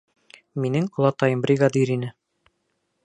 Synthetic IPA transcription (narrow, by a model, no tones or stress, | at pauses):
minɘŋŏlˠɑt̪ɑjɤmbrʲiɡɑd̪iɾinɘ